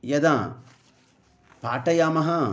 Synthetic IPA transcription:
jɐd̪a | paːʈɐjaːmɐɦɐ

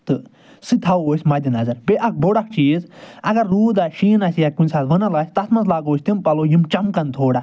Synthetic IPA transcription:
t̪ɨ | sɨt̪ʰawoːsʲmɐd̪ʲinɐzɐɾbeʔɐk̚ʰboɽɐk̚ʰt͡ʃiːzɐɡɐɾːuːd̪aʃiːnasʲjakunʲsʰaːʋənɐlaːsʲt̪ɐt̪ʰmɐnzlaːɡoːsʲt̪impɐlojimt͡ʃɐmkɐnt̪ʰoːɽa

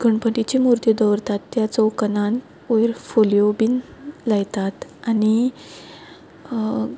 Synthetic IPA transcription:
ɡəɳpəʈit͡ɕimuɾt̪jəd̪ɔʋɾt̪at̪ːjat͡sɔwkənãn | ojɾfolijobinlajt̪at̪ani

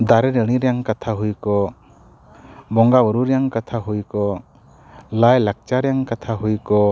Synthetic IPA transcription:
d̪aɾeneɾniɾjaŋkat̪ʰaɦujkɔ | bɔŋɡabɔɾuɾjaŋkat̪ʰaɦujkɔ | lajlak̚t͡ʃaɾjaŋkat̪ʰaɦujkɔ

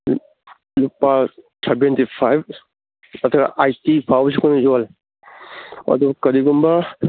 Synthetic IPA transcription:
lupasebentipʰajb | atʰka̰ʔajtipʰawbs̬ikʰɔnzɔal | a̰dubkɐɾiɡumba

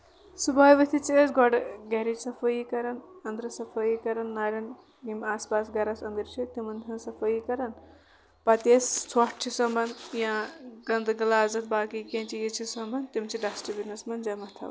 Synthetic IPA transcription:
subaːjʋɐt̪ʰit͡ʃiesɡɔɖɡɐɾid͡ʒsɐfʰɐjikɐɾɐnɐnd̪ɾɐsɐfʰɐjikɐɾɐnːaːɾʲɐn | jimaːspaːsɡɐɾɐsɐnd̪iɾt͡ʃʰit̪imɐnɦʰɐ̃nsɐfʰɐjikɐɾɐn | pɐt̪est͡sʰwɔʈ̚t͡ʃʰisɐmbɐnd̪jãɡɐnd̪ɡɐlaːzɐt̪̚baːkikẽːt͡ʃijit͡ʃʰisɐmbɐnt̪imt͡ʃʰiɖasʈibinɐsmɐnd͡ʒɐmɐt̪ʰɐ̰w

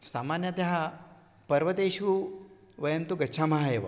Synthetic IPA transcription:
saːmaːnjɐt̪ɐɦa | pɐɾʋɐt̪eːʃu | ʋɐjɐmt̪uɡɐtːʃʰaːmɐɦaeːʋɐ̰

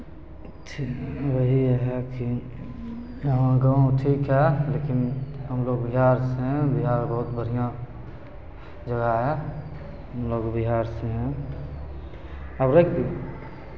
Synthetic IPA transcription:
t͡ʃʰiwəɦiɦɛki | jəɦãɡəʈʰiːkɦɛleːkɪnɦəmloːɡbɪɦaːɾseɦɛ̃bɪɦaːɾbəɦʊt̪bəɾ̤ijã | d͡ʒəɡaɦɛ | ɦəmloːɡbɪɦaːɾseɦɛ̃ | əbɾeki

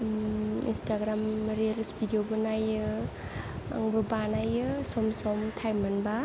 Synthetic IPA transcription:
ḭnstaɡɾamɾelsbidijobɯnajɯ | a̰ŋbɯbanajɯsɔmsɔmtʰajmanba

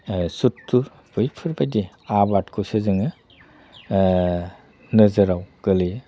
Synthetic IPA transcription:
sutːuɾ | b̥ɯjpʰɯɾbajdi | abatkʰusezɯŋɯ | nɯzɯɾawɡ̥ɯli

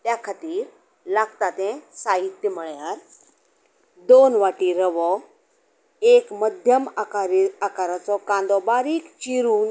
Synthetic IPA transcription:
t̪jakʰat̪iːɾ | laɡt̪at̪ɛ̃saɦit̪jəm̤əɭjaɾ | d̪onʋaʈiːɾəʋɔ | ekməd̪ʱjəmakaɾakaɾat͡sɔkãnd̪ɔbaɾiːkt͡ɕiɾuːn

